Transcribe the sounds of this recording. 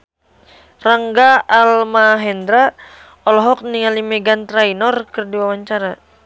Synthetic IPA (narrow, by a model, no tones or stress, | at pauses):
raŋɡaːlmaɦɛnd̪ɾa | ɔlɔɦɔk̚niŋalimɛɡant̪ɾainɔrkɨrdiwawaɲt͡ʃaɾa